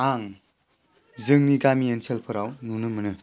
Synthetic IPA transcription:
aŋ | zɯŋniɡamiensʰelpʰɯɾawnunɯmɯnɯ

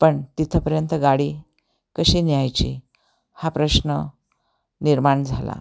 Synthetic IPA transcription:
pəɳt̪it̪ʰəpəɾjənt̪əɡaɽi | kəɕiːnjajt͡ɕḭ | hapɾəɕnə | niɾmaɳd͡zʱala̰

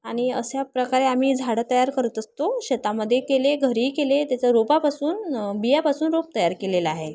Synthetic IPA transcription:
aɽ̃iəsjapɾəkaɾeam̤iːd͡zʱaɽət̪əjaɾkəɾət̪əst̪oɕet̪aməd̪ʱːjekeleɡʱəɾiːkelet̪jat͡ɕaɾopapasuːnbijapasuːnɾop̚t̪əjaɾkelelaɦe

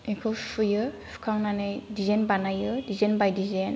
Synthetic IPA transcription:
ikʰɯsɯjɯ | su̥kʰaŋnanɯjdizenbanajɯdizenbajdizen

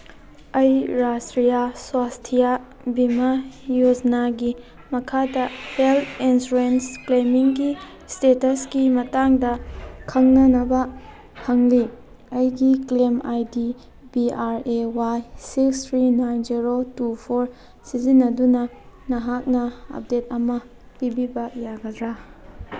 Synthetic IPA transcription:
ɐjɾastɾijaswastʰija | bimajod͡ʒɐnaɡi | mɐkʰadɐheltinsuɾensklemiŋɡi | stetɐsɡimɐtaŋdɐkʰɐŋnɐnɐbɐ | hɐŋli | ɐjɡiklemajdi | biaɾewajsikstʰɾinajnziɾotupʰoɾ | sizinːɐdunɐ | nɐɦak̚nɐɐ̰p̚det̚ɐmɐ | pibibɐjaɡɐdɾa

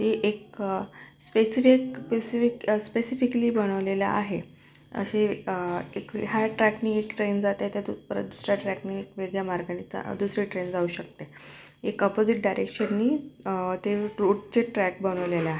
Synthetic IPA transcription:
t̪eʔek̚ | spesifikspesifikspesifikliːbəɽ̃əʋlela̰ʔaɦe | ə̰ɕe | ekɦaʈɾækniːekʈɾend͡zat̪jat̪jad̪upəɾə̰d̪usɾjaʈɾækniekʋeɡɭjamaɾɡanit͡sa̰d̪usɾiʈɾend͡zauːɕək̚t̪e | ekəpod͡ziʈ̚ɖajɾekɕənːiːt̪eɾuɽt͡ɕeʈɾæk̚bəɽ̃əʋleleaɦe

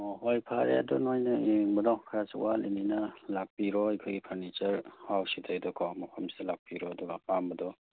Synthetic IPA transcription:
ɦojpʰaɾḛɐdɔnojnɐeŋbɐdɔkʰaɾasḭwalḭninɐlak̚piɾɔajkʰɔjɡipʰaɾnit͡ʃɐɾhawsidʰajdɔkʰɔwmɔpʰɐmsidɐlak̚piɾɔɐduɡapambɐdɔ

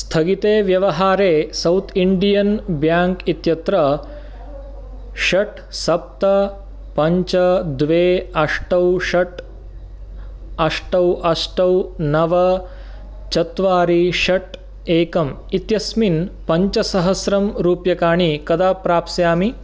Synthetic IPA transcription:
st̪ʰɐɡit̪eːʋjɐʋɐɦaːɾeːsɐwt̪ʰiɳɖijɐnbjaːŋkit̪jɐt̪ɾɐ | ʃɐʈ | sɐp̚t̪ɐ | pɐɲt͡ʃɐd̪ʋeːɐʂʈɐwʃɐʈ | ɐʂʈɐwʔɐʂʈɐwnɐʋɐ | t͡ʃɐt̪ʋaːɾiʃɐʈ | eːkɐm | it̪jɐsminpɐɲt͡ʃɐsɐɦɐsɾɐmɾuːpjɐkaːɳ̃ikɐd̪aːpɾaːpsjaːmi

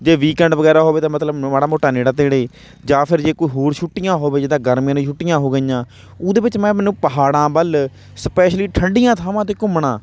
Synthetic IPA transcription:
d͡ʒeːʋiːkɛ̃ːɳɖʋəɡɛːɾaːɦoːʋeːt̪ãːmət̪ləbaːɽaːmoːʈːaːneːɽaːt̪eːɽeː | d͡ʒaːpʰɪɾd͡ʒeːkoːiːɦoːɾʃʰʊʈːɪjãːɦoːbeːd͡ʒɪd̪ãːɡəɾmjãːnẽːʃʰʊʈːɪjãːɦoːɡəjãː | oːd̪eːʋɪt͡ʃmɛ̃ːmɛːnũːpəɦaːɽãːbəl | spɛːʃliːʈʰəɳɖɪjãːt̪ʰaːʋãːt̪̬eːkʊmɳãː

